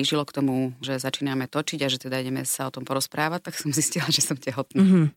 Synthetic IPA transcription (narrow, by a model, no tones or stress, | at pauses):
iʒilɔkt̪ɔmuʒɛzat͡ʃiːnamɛt̪ɔt͡ʃiɟaʒɛt̪ɛd̪aiɟɛmɛsaɔt̪ɔmpɔɾɔspɾaːʋac̚t̪aksɔmziscilaʒɛsɔmcɛɦɔt̪naː